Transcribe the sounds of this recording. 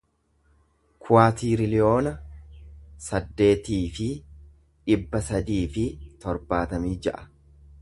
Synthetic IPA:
kʰʊaːt̪iːɾɪlɪo̞ːnɐ | sɐd̪ːe̞ːt̪iːfɪ | ᶑɪbːɐsɐd̪iːfɪt̪ɔɾbaːt̪ɐmiːd͡ʒɛʔɐ̥

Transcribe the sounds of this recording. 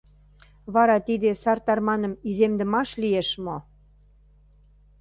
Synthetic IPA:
βɑɾɑt̪id̪esɑrt̪ɑrmɑnə̆mizemd̪ə̆mɑʃlijeʃmo

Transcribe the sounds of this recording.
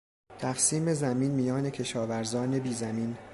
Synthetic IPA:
t̪ʰæfsiːme̞zæmiːnmijɒːne̞cʰe̞ʃɒːvæɾzɒːne̞biːzæmiːn

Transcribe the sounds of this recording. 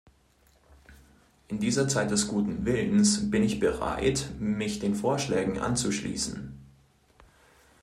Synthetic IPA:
ʔɪndiːzɐt͡saɪt̚d̥ɛsɡ̥uːtn̩vɪlən̩sb̥ɪnɪçb̥əʁa̰ɪtmɪçd̥eːnfoːɐʃlɛːɡŋ̩ʔa̰nt͡suʃlḭːsn̩

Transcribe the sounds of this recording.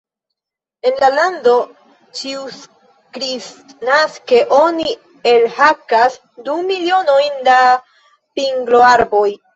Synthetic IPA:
e̞nlalando̞ | t͡ʃius | kɾisnaske̞ʔo̞ni | e̞lhakas | dumilio̞no̞jnda | piŋɡlo̞aɾbo̞j

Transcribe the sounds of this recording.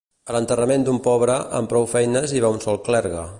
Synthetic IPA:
ələnt̪ərəmend̪umpɔβɾəʔə̰mpɾɔwfɛjnəziβaunsɔlˠklɛɾɣə

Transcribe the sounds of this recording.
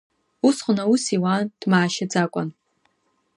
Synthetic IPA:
usχʷʊnausiwand̥maːʃad͡zakʷʼa̰n

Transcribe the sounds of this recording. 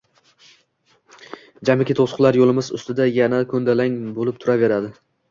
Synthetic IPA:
d͡ʒamɪkʲɪt̪ʰosʊ̥qlˠaɾjolˠɪmɪzʊ̰st̪ɪd̪ajanakʰɵnd̪alaŋbolɪp̚t̪ʰʊɾave̞ɾad̪ɪ

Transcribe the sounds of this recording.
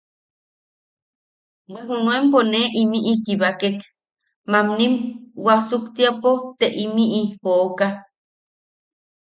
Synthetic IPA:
weɦunuemponeʔimiʔikiβakek | mamnimwasukt̪iapot̪eʔimiʔipoʔoka

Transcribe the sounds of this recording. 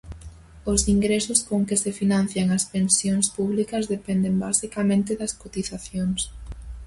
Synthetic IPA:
ʊsiŋɡɾesʊskoŋkɪsefinãn̟θjaŋɐspensjoŋspuβlikɐzðepɛnd̪embasikɐmẽnt̪ɪðɐskot̪iθaθjoŋs

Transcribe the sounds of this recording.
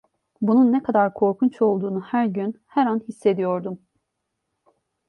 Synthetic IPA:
bununːɛkʰad̪aɾkʰo̞ɾkʰunt͡ʃʰo̞lˠd̪uːnuhæɾɟynhɛɾanhisːe̞d̪ijo̞ɾd̪um

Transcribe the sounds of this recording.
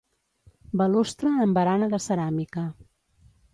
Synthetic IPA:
bəlust̪ɾəːmbəɾanəðəsəɾamikə

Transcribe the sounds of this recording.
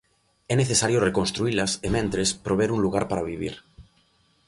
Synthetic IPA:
ɛneθesaɾjorekonst̪ɾuilasemẽnt̪ɾespɾoβ̞eɾunluɣ̞aɾpaɾaβ̞iβ̞ḭɾ

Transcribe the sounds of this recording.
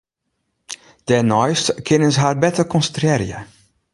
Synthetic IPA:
d̥ɛnɔjstkʰɪnənsɦaːrbɛtəkɔnstrɛɾjə̰

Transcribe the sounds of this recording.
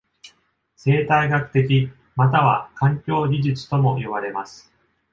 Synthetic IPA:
se̞ːt̪aiɡakɯ̟̥t̪e̞k̬ʲi | mat̪aβa̰kãŋkʲo̞ːɡʲiʑɨt͡sɨ̥t̪o̞mo̞ʔiβaɾe̞masɨ̥

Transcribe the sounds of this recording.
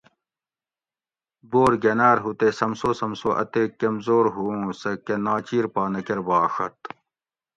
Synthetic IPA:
boːɾɡɐnaːɾɦut̪eːsɐmsoːsɐmsoʔɐ̰t̪eːkːɐmzoːɾɦuũsɐkɐnaːt͡ɕiːɾpaːnɐkɐɾbaːʂɐ̰t̪

